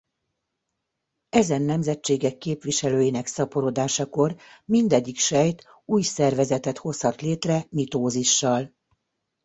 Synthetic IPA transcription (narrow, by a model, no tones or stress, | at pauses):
ɛzɛnːɛmzɛt͡ʃːeːɡɛkːeːpʋiʃɛløːjinɛksɒpo̞ɾoːd̪aːʃɒko̞rmind̪ɛɟːikʃɛjt̪ | uːjsɛrvɛzɛt̪ɛt̪ho̞shɒt̪leːt̪rɛmit̪oːziʃːɒl